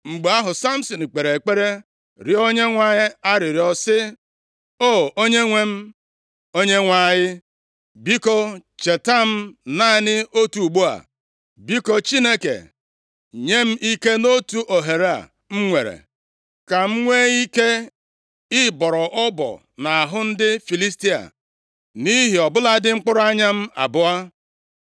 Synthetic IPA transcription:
ŋ͡m̩˨ɡ͡ba˦ɦʊ˨sa˦m̩˦sɔ˨n̩˨k͡pe˨ɾe˨k͡pe˦ɾe˦ | ɾɪ˨o˦ɲe˦ŋʷa˦ɲɪ˦a˦ɾɪ˨ɾɪ˨ɔ˦sɪ˦ | o˦o˦ɲe˦ŋʷe˦m̩˦ | o˦ɲe˦ŋʷa˨ɲɪ˦ | bi˦kɔ˦t͡ʃe˨ta˦m̩˦na˦˨nɪ˦o˦tu˨u˨ɡ͡bo˦a̰˨ | bi˦kɔ˦t͡ʃi˦ne˦kḛ˨ | ɲe˦m̩˦ʔi˦ke˦no˦tu˦ʔo˨ɦe˨ɾa̰˨ | m̩˦ŋʷe˨ɾḛ˨ | ka˨m̩˦ŋʷe˦i˦ke˦ | ɪ˦bɔ˨ɾɔ˨ʔɔ˦bɔ̰˨ | na˨a˨ɦʊ˦n̩˦dɪ˦fi˨li˦sti˦a̰˨ | ni˦ɦi˨ɔ˨bʊ˦la˦dɪ˦ŋ͡m̩˦k͡pʊ˦ɾʊ˦a˦ɲa˦m̩˦a̰˨bʊ˦a˦

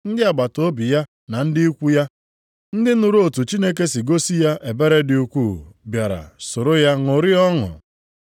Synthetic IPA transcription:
n̩˦dɪ˦a˨ɡ͡ba˨to˦bi˨ja˦ | na˨n̩˦dɪ˦i˦kʷu˦ja˦ | n̩˦dɪ˦nʊ˨ɾu˦o˨tu˨t͡ʃi˦ne˦k̬e˦si˨ɡo˦si˦ja˦ʔe˨be˦ɾe˦dɪ˨u˨kʷuː˦˨bja˨ɾa̰˨so˨ɾo˦ja˦ŋʊ˨ɾɪ˦ɔ˦ŋʊ̰˨

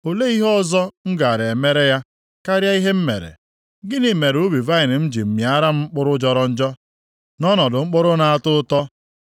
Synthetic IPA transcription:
o˨le˦i˦ɦɔ˦zɔ˦ŋ̩˦ɡa˨a˨ɾe˨e˨me˦ɾe˦ja˦ | ka˦ɾja˦i˦ɦe˦m̩˦mḛ˨ɾḛ˨ | ɡɪ˦ni˨me˨ɾu˦bi˨va˦ɪ˨nɪ˨m̩˦d͡ʒi˨m̩˨mja˦ɾa˦m̩˦k͡pʊ˦ɾʊ˦d͡ʒɔ˨ɾɔ˦n̩˦d͡ʒɔ˦ | nɔ˦nɔ˨dʊ˨ŋ͡m̩˦k͡pʊ˦ɾʊ˦na˨a˨tʊ˦tɔ˦

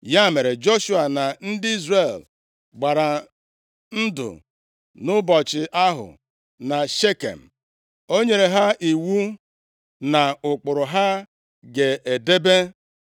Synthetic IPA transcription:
ja˦˨me˨ɾe˨d͡ʒo˦ʃu˦a˨na˨n̩˦dɪ˦i˦zre˨l | ɡ͡ba˨ɾa˨ | n̩˦dʊ̰˨ | nʊ˦bɔ˨t͡ʃɪ˨ʔa˦ɦʊ̰˨ | na˨ʃe˦kḛ˨m̩˨ | o˦ɲe˨ɾe˨ɦa˦ʔi˨wu˦ | na˨ʊ˨k͡pʊ˨ɾʊ˨ɦa˦ | ɡe˨ʔe˨de˦be˦

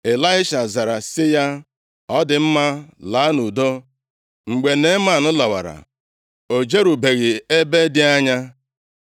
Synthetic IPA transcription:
e˨la˦ɪ˦ʃa˨za˨ɾa˨sɪ˦ja˦ | ɔ˦dɪ˨m̩˦ma˦la˨˦nu˨do˦ | ŋ͡m̩˨ɡ͡be˨ne˦ma˨nʊ˦la˨wa̰˨ɾa̰˨ | o˨d͡ʒe˦ɾu˨be˨ɣɪ˨e˦be˦dɪ˦a˦ɲa˦

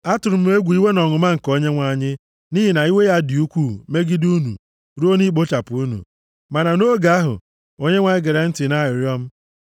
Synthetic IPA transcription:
a˦tʊ˨ɾʊ˨˦m̩˦e˦ɡʷu˨˦i˦we˦nɔ˨ŋʊ˨ma˦ŋ̩˨ko˦ɲe˦ŋʷa˨ɲɪ˦ | ni˦ɦi˨na˨i˦we˦ja˦dɪ˨u˦kʷu˦˨me˦ɡi˦du˦nṵ˨ | ɾu˦o˦ni˦k͡po˦t͡ʃa˨pu˨˦u˦nṵ˨ | ma˨na˨no˦ɡa˨a˦ɦʊ̰˨ | o˦ɲe˦ŋʷa˨ɲɪ˦ɡe˨ɾe˨n̩˦tɪ˨na˦˨ɪ˨ɾjɔ˦m̩˦

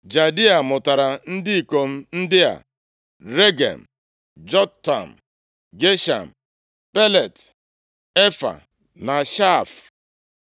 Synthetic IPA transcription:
d͡ʒa˨dɪ˦a˨mʊ˨ta˨ɾa˨n̩˦dɪ˦i˨ko˨m̩˦n̩˦dɪ˦a̰˨ | ɾe˦ɡḛ˨m̩˨ | d͡ʒɔ˦tːa̰˨m̩˨ | ɡe˦ʃa̰˨m̩˨ | pe˦le˨t | e˦fa̰˨ | na˨ʃa˦˨f

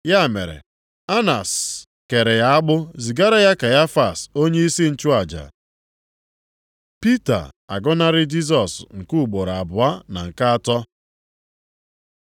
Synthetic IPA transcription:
ja˦˨me˨ɾḛ˨ | a˦na̰˨s | ke˨ɾe˨ja˦a˦ɡ͡bʊ˦zi˨ɡa˦ɾa˦ja˦ka˨ja˦fa˨so˦ɲe˦i˦si˦n̩˨t͡ʃu˦a˨d͡ʒa̰˨ | pi˦ta̰˨a̰˨ɡɔ˦na˦ɾɪ˦d͡ʒi˦s̬ɔ˨sŋ̩˨ku˦u˨ɡ͡bo˨ɾa˨a˨bʊ˨a˦na̰˨ŋ̩˨ka˦a˦tɔ˦

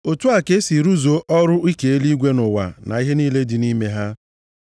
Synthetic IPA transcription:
o˨tu˦a˨ke˦si˨ɾu˦zo˨ʔɔ˦ɾʊ˦i˦ke˨e˦li˦ɡʷe˦nʊ˨wa̰˨na̰˨i˦ɦe˦niː˦le˦di˨ni˦me˦ɦa˦

